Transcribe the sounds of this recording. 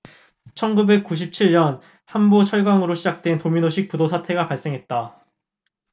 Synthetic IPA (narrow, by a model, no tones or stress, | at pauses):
t͡ɕʰʌnɡube̞k̚k͈uɕ̬ʰip̚t͡ɕʰiɭɲʌn | hanbot͡ɕʰʌɭɡaŋɯɾoɕʰid͡ʑak̚t͈we̞ntominoɕʰik̚p͈udosʰatʰe̞ɡapaɭs͈e̞ŋɦe̞t̚t͈a